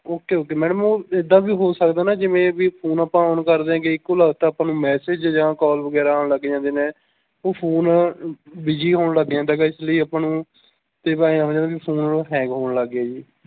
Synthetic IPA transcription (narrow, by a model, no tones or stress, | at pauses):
oːkːeːoːkeːmɛːɖəmõːed̪aːbiːɦoːsəkd̪aːnaːd͡ʒɪʋẽːʋiːpʰoːnəpãːɦoːnkəɾd̪eːãːkeɪkːoːləɡt̪aːpãːnũːmɛːsed͡ʒd͡ʒãːkɔːlʋəɡɛːɾaːanləɡːed͡ʒãːnd̪eːneː | oːpʰoːn | biːd͡ʒiːɦoːnləɡãːnd̪aːɡaːɪsləiːəpãːnũː | t̪eːpaːĩãːd͡ʒãːʋiːpʰoːnlːɦɛ̃ːŋɡɦoːɳləɡaːd͡ʒiː